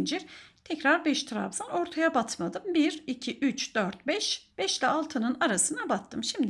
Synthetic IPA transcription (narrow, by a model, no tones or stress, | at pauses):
nd͡ʒiɾt̪ʰɛcɾaɾbɛʃt̪ʰɾa̰vzano̞ɾt̪ʰajabat̪ʰmad̪ɯmbiɾicʰiʔyt͡ʃd̪̥øɾt̪̚bɛʃb̥ɛʃlʲɛalˠt̪ʰɯnɯnaɾasɯnabat̪ʰːɯmʃimd̪